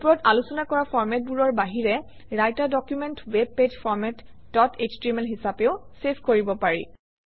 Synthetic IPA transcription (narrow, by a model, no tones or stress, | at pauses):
pɔɹɔtalusɔnakɔɹafʰɔɹmɛt̚buɹɔɹbaɦiɹɛ | ɹajtadɔkjumɛntweb̚ped͡ʒfʰɔɹmɛtdɔted͡ʒtɹimɛlɦisapeʊsepʰkoɹibɔpaɹḭ